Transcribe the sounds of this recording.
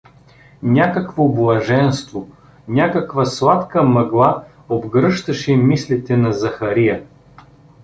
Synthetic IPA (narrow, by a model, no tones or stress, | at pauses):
nʲakəkvoblˠɐʒɛnst̪vo | nʲakəkvɐslˠat̪kəmɐɡlˠa | obɡɾɤʃt̪ɐʃɛimislit̪ɛnɐzɐxɐɾijə